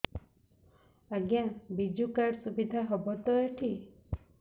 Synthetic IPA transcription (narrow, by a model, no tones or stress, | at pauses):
aɡjãbid͡ʒukaɖsubid̪ʱaɦɔbɔt̪ɔjeʈʰi